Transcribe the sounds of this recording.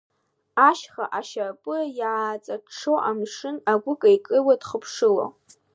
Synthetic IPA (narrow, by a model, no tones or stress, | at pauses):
aʃχaʔaʃarpʼɨjʕaːt͡sʼaʂowʔamʂɨnaɡʷʊkʼaikʼɨwadχəpʰʂɨlo̰